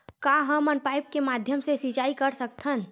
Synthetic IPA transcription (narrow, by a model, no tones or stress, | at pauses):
kaɦəmənpaip̚kemad̪ʱjəmsesit͡ʃaikəɾsək̚t̪ʰən